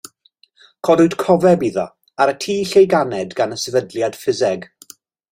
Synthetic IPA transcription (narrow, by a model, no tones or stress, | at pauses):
kʰɔdʊd̥kʰɔvɛbiðɔ̰ | aɾətʰiːɬejɡanɛdɡanəsɛvədljad̥fɪzɛɡ